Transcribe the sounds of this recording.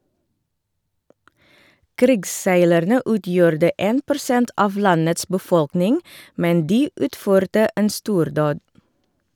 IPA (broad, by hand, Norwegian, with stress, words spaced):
ˈkɾɪɡsˌsæɪlæɾnə ˈʉːˌtjuːɾdə ˈeːn pʊɾˈsɛnt ˈʔɑʋ ˈlɑnəts bəˈfɔlknɪŋ ˈmɛn ˈdiː ˈʉːtˌføːɾtə ˈeːn ˈstuːɾˌdoːd